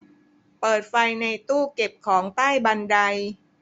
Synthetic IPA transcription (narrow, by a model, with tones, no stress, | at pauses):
pɤː˨˩t̪̚fa˧jna˧jt̪uː˥˩ke˨˩p̚kʰɔː˩˦ŋt̪aː˥˩jba˧nda˧j